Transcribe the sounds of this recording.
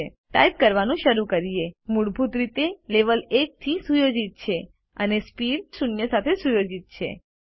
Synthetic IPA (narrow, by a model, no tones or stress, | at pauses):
e | ʈa̰jp̚kəɾʋanũʃəɾukəɾijemuɽbʱut̪ɾit̪eleʋəlek̚t̪ʰisujod͡ʒit̪̚t͡ʃʰe | ənespiɖsunjəsat̪ʰesujod͡ʒit̪̚t͡ʃʰḛ